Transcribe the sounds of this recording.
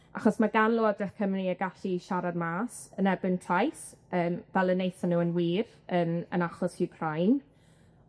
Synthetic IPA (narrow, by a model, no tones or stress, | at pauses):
aχɔsmaɡanlˠoːdrɪχkʰəmriəɡaɬiʃaɾad̚maːsənɛrbɪntʰrajsəːmvɛlˠənːejθanːuːənwiːr | ənə̰naχɔshɪkʰrajn